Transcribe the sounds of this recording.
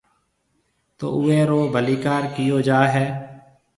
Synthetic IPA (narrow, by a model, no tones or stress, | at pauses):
t̪o̰ːʔʊːeːɾoːbʱəliːkaːɾkɪjoːd͡ʒaːɦɛː